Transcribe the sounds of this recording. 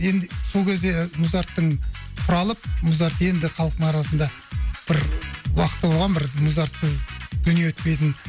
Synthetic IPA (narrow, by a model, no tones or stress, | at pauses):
je̞nd̪ɪso̞lkʲʰe̞zd̪e̞mʊzɑɾt̪ːəɴqʰʊɾɑlˠəp̚mʊzɑɾt̪je̞nd̪ɪχɑlˠəqt̪əɴɑɾɑsənd̪ɑ | b̥ɪɾwɑqə̥t̪ːəbolˠʁɑnbɪɾmʊzɑɾt̪səzʒ̥ʏnjewɵt̪̚pe̞jt̪ɪn